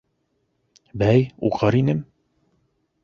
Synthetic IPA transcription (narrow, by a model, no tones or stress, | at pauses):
bæjuʁɤɾinɘm